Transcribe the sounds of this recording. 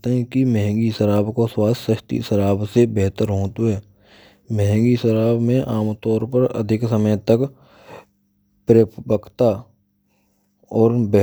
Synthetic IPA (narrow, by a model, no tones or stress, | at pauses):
t̪eɦɛ̃kimɛɦɛ̃ŋɡiʃəɾaːbkoswaːssəʃt̪ḭʃəɾaːbsebɛɦt̪əɾɦõːt̪uɦɛː | mɛɦɛ̃ŋɡiʃəɾaːbmẽʔaːmt̪ɔːɾpəɾə̰d̪ʱɪksəməjt̪ək | pɾepʰbəkʰt̪a | ɔːɾbɛ